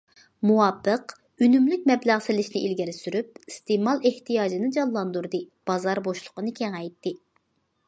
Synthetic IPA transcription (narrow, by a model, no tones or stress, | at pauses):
muwɑːpːəq | ynymlyk̚ʲmɛblæʁsɪlɪʃnɪʔilɡʲɪɾɪsyɾyp̚ist̪emɑlˠeht̪ʰijɑːd͡ʒinɨd͡ʒɑllˠɑnd̪uɾd̪ɨ | b̥ɑzɑɾboʃlˠʊ̥qənɨkʲʰeŋɛjt̪ʰːɪ